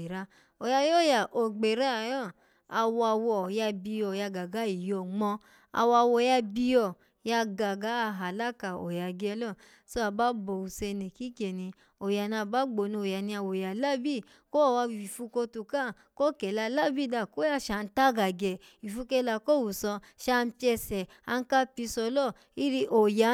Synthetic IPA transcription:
e˨ɾa˦ | o˨ja˧jo˦˨ja˨ʔo˨ɡ͡be˨ɾa˦a˨jɔ˦˨ | a˧wɔ˧a˧wɔ˨ja˧bi˧jɔ˨ja˧ɡa˨ɡa˨˦i˨jɔ˧˨ŋ͡mɔ̃˧ | a̰˨wa˧˨wɔ˧˨ja˧bi˧jɔ˨ | ja˧ɡa˨ɡa˨˦a˧˨ɦa˨la˦ka˨o̰˨ja˨ɡɛ˧˦lɔ˦˨ | so˦a˨ba˨˦bɔ˨u˨se˧ne˨ki˦ke˨nĩ˧ | o˨ja˨nã˧˨ba˨˦ɡ͡bo˨nũ˧o˨ja˨˦nĩ˧a˧˨wo˨ja˨la˦˨bi˦˨ | ko˦˨wa˧˨wi˨fu˧ko˧tu˧kã˦˨ | ko˦kɛ˨la˧la˦˨bi˦˨da˧˨ko˦ja˦˨ʃa˨˧n̩˦ta˦ɡa˨ɡɛ˨ | i˨fu˧ke˧˦la˧˨ko˦˨wu˨sɔ˧ | ʃa˦˧n̩˦pi˦ɛ˧sɛ˨ | a˧n̩˦ka˦pi˧˦sɔ˧˦lɔ˦˨ | i˦ɾi˧ʔo˨ja˨˦

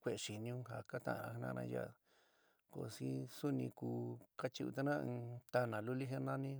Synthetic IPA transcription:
kʷe˧˨˧ʂi˨nĩ˧ũ˦ɦa˨ka˦t̪ã̰˧˨˧ã˧hnã̰˦˧nã̰˧ja̰˧˨ | ko˧si˦su˦nĩ˧kuː˧ka˦t͡ʃi˧ṵ˧t̪a˦nã˦˧t̪a˧nã˨lu˦li˦ɦe˦nã˦nĩ˦

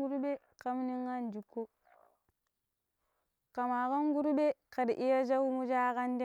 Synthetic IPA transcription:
u˦ɾbe˦ | ka˦m˦ni˦ŋːa˦nd͡ʒu˨kːo˦ | ka˨ma˨ka˦ŋɡu˦ɾbe˦ka˨dʔi˦ja˦d͡ʒ̬a˦wu˦mu˦d͡ʒa˦ka˦nd

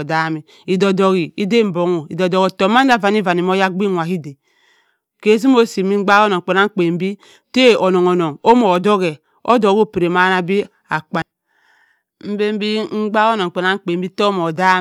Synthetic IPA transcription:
da˦mi˨ | i˨do˨do˨ɣi˨i˦de˦˨m̩˨bo˨ŋo˨i˨do˨do˨ɣo˨to˨˦ma˦n˦a˦˨va˨n˦i˦va˨ni˨m˦o˦ja˦ɡ͡bi˦ŋʷa˨ɦi˦de˨ | ke˨˦z̬i˦m˦o˦si˨mi˦ŋ͡m̩˦ɡ͡ba˦o˦no˨k͡pe˨na˦ŋ̩˦k͡pe˨m̩˦bi˦ | te˦˨o˨no˨ŋo˨no˨ŋo˦mo˨do˦ɣe˨ | o̰˦do˨ɣo˦˨pi˨ɾe˨ma˦na˦bi˦ | a˨k͡pa˨ | m̩˦be˦m˦bi˦ŋ̩˦ɡ͡ba˦ɣo˦no˨ŋ͡m̩˨k͡pe˨na˦ŋ̩˦k͡pe˨m˦bi˦to˦mo˨da˦

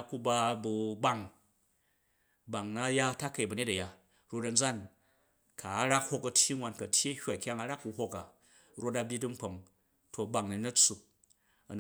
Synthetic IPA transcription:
ku˧ba˧bu˧ba˦ŋ | ba˨ŋna˦ja˦ta˦kɐ˨i˨bɐ˨ɲe˦tɐ˨ja˨ | ɾo˧dɐ˧n˦d͡za˦n | ka˨a˦ɾa˦k̚ho˧kɐ˨˧tʲji˦nwa˧nkɐ˨tʲʰji˦ɐ˦hʲʷa˨kʲa˦ŋa˧ɾa˦kːu˧hʷo˦ka˨ | ɾo˦ta˧bʲi˦dɨ˦ŋ͡m̩˦k͡po˨ŋ | to˨ba˨ŋni˨nɐ˦t͡sːu˨˧ | ɐ̰˨n

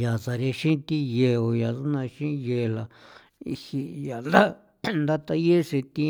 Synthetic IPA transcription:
ja˨sa˨ɾe˧ʃĩ˦t̪i˦je˧o˨ja˨ðu˦nã˧ʃĩ˦˧je˧˨la˨ | ḭ˧hi˧ja˨nd̪a˦ | nd̪a˦t̪a˧je˦ʂi˧t̪ĩ˧

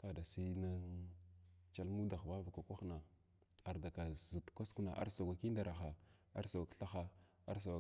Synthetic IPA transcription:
ka˨da˨si˦na˦ | t͡ʃa˦lmu˦da˨xba˦va˨kʷa˨kʷa˦xna˨ | a˨ɾda˨ka˨zu˨tkʷa˦sku˦na̰˨ʔa̰˦ɾsa˨ɡʷa˨ki˦n˦da˨ɾa˨xa˨ | a̰˦ɾsa˨ɡʷa˨kɬa˦xa˦ | a˦ɾs̬a˨a˨

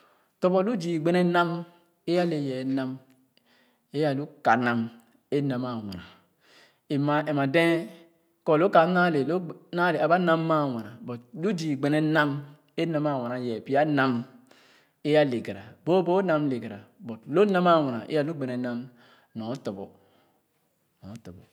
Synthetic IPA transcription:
to˦bɔ˦lu˦d͡ʒi˨ɡ͡be˦ne˦na˦m | e˦ja˦le˨jɛ˨˦na˦m | e˦ja˨lu˦ka˨na˨m | e˦na˨ma˨wa̰˨na˨ | e˨ma˨ʔe˨ma˨de˦ | ko˦˨lo˦ka˨˦na˦le˨lna˦le˨a˨ba˦na˦mːa˦˨wa˨na˨bɔ˨t̚lu˦di˨ɡ͡be˨ne˨˦na˦m | e˦na˦ma˦˨wa˨na˨jɛ˨pi˦a˦na˦m | e˦ja˦le˨ɡe˨ɾa˨bo˦bo˦na˦mle˨ɡe˨ɾa̰˨bo˨tlo˦na˦ma˦˨wa˨na˨ʔḛ˦ja˦˨lu˦ɡ͡be˨nɛ˨˦na˦m | nɔ˨˦to˨bo˨ | nɔ˨˦to˨bɔ˨

